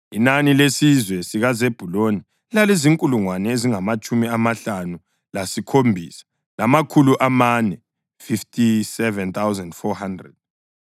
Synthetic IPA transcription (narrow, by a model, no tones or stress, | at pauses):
inanilesizwɛsiɣazeb̥ʱuloni | laleziŋkʼuluŋwanɛeziŋamat͡ʃʼumiamaɬanu | lasikʰombʱiːsḁ | lamakʰuluʔamanɛ | fiftʰʼisɛvɛnt̪ʰawzɛndfɔhandrɛ̰d̥̚